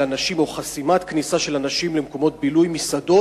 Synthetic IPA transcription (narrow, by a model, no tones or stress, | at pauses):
anaʃimo̞χasimat̪knisaʃe̞lanaʃimlemko̞mo̞t̪̚bilujmisado̞